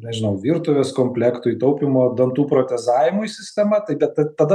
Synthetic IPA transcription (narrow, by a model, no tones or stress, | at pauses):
nʲɛʒʲɪnɐʊʋʲiːɾt̪ʊʋʲeːskoːmʲpʲlʲækt̪ʊɪit̪ɐʊpʲɪmoːd̪ɐnt̪uːpɾoːt̪ʲɛzɑːʋʲɪmʊisʲɪsʲt̪ʲɛmɐt̪ɐɪbʲɛt̪ɐt̪ɐd̪ɐ